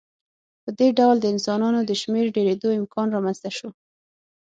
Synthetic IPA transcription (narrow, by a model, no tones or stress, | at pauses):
pəd̪eɖawld̪əɪnsɑnɑnod̪əʃmeɾɖeɾed̪oɪmkʰɑnɾɑmanz̥t̪aʃo